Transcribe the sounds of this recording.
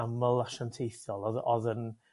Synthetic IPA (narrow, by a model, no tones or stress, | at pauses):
aməlˠaʃantʰejθɔlˠɔðɔðən